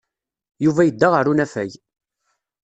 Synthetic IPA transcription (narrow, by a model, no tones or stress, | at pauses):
juvæjəd̪ːaʁəɾunæfæj